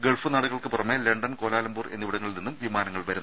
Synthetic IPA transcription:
ɡeɭfɨnaːɽuɣɐɭkɨpurɐmːeleɳɖɐnko̞ːlaːlɐmbuːre̞nːiʋiɽɐŋːɐɭilninːumʋimaːnɐŋːɐɭʋɐɾunː

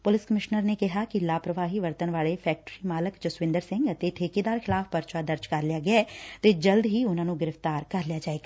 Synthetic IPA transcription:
pʊlɪskəmɪʃnəɾneːkɪɦaːkɪlaːpɾəʋaːɦiːʋəɾt̪ənʋaːleːpʰɛːk̚ʈɾiːmaːləkd͡ʒʊsʋɪ̃nd̪əɾsɪ̃ŋɡət̪eːʈʰeːkiːd̪aːɾkʰɪlaːfpəɾt͡ʃaːd̪əɾd͡ʒkəɾlɪjaːɡɪat̪eːd͡ʒəld̪ɦiːʊnãːnũːɡɪɾəft̪aːɾkəɾlɪjaːd͡ʒaːeːɡaː

